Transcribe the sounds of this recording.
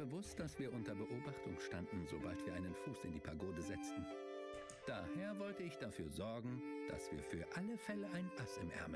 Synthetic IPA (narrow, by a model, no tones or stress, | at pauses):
b̥əvʊst̚d̥asv̥iːɐʔʊntɐbəʔoːbaχtʊŋʃtandn̩zo̰baltv̥iɐaɪnənfuːsɪndiːpʰaɐɡoːdəzɛt͡stn̩ | d̥aːheːɐvɔltəɪçd̥afyːɐzɔɐɡŋ̩d̥a̰sv̥iːɐfyːɐʔaləfɛləʔaɪnʔasɪmʔɛ̰ɐmə